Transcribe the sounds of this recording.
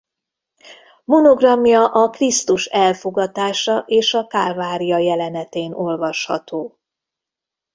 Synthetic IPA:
monoɡrɒmjɒʔɒkrist̪uʃɛlfo̞ɡɒt̪aːʃɒʔeːʃɒkaːlvaːɾijɒjɛlɛnɛt̪eːno̞lvɒʃhɒ̰t̪oː

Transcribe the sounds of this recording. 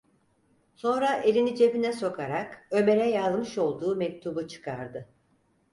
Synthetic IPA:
so̞nɾaʔe̞lʲinit͡ʃʰe̞pinɛso̞kʰaɾakø̞me̞ɾɛjazˠmɯʃo̞lˠd̪uːmɛc̚t̪ʰubut͡ʃʰɯ̥kʰaɾd̪ɯ

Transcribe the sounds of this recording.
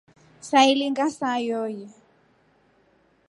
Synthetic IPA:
sailiŋɡasajɔːjɛ

